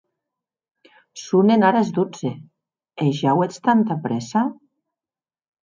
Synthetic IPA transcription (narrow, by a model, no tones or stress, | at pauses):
sunenaɾazd̪ud͡ze | eʒawet͡st̪ant̪apɾɛsa